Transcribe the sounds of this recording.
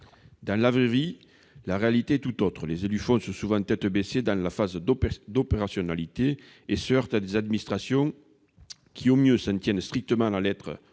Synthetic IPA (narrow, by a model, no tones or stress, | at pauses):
d̪ɑ̃lavʁeʁi | laʁealit̪eɛt̪ut̪ɔt̪χəlezelyfɔ̃sɔ̃suvɑ̃t̪ɛt̪əbesed̪ɑ̃lafazd̪d̪opeʁasjɔnalit̪eː | səœʁt̪ad̪ezad̪minist̪χasjɔ̃ | kʲʰiomjøsɛ̃nt̪jɛnst̪χik̚t̪əmɑ̃lalɛt̪χə̰